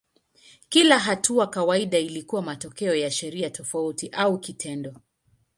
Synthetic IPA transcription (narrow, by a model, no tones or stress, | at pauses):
kilaɦatuakawaiɗailikuwamatɔkɛɔjaʃɛɾiatʰɔfautiʔaukitʰɛndɔ